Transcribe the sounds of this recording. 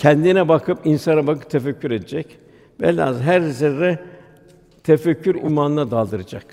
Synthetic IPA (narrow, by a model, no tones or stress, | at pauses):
cʰɛnd̪inɛbakʰɯpinsanabakɯ̥p̚t̪ʰefɛcʰːyɾe̞d̪ed͡ʒɛc | bɛ̰lʲa̰zɦæɾzɛɾːɛ | t̪ʰefɛcʰːyɾṵlmanɯnad̪alˠd̪ɯɾɯd͡ʒak